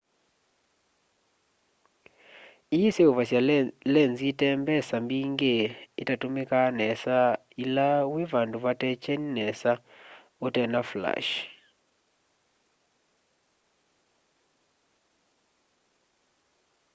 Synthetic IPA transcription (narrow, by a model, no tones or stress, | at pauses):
ijiseovasjalɛnzitɛmbɛsambiŋɡeitatumekanɛsa | ilawevanduβatɛt͡ʃɛninɛsa | otɛnafla̰ʃ